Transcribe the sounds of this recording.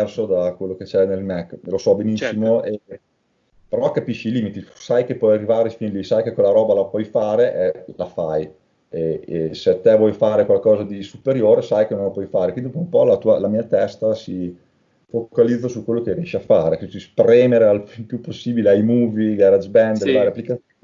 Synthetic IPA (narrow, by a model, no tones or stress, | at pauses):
ɛrsod̪akwelːoket͡ʃɛnelmɛkːlosɔbenisːimoe | peɾɔkapiʃːiːliːmit̪it̪u̥sajkepwɔjarːivaːɾefinlisajkekːolːaɾɔːbalapwɔjfaːɾeʔɛlafaj | eeseat̪ːevwɔjfaːɾekwalkɔːzad̪isupeɾjoːɾesajkenõnlapwɔjfaːɾekwind̪ikuumpɔlat̪uːalamiːat̪ɛst̪asi | fokalid̪zːosukwelːokerjɛʃiafaːɾekwit̪uspɾɛːmeɾealilpjupːosːiːbileajmuːviɡaɾad͡ʒbɛnd̪ɾvaːɾeapːlikat̪ː